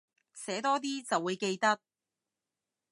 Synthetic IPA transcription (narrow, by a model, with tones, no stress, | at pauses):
sɛː˨˥t̪ɔː˥t̪̬iː˥t͡sɐ˨wːuː˨˧jke˧jt̪ɐ˥t̚